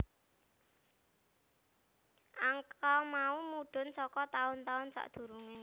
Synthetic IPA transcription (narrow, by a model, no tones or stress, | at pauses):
ʔaŋkamaumuɖ̪̥ʊ̤nsɔkɔt̪aʊnt̪aʊnsa̰ʔd̪̥ṳɾuŋɪŋ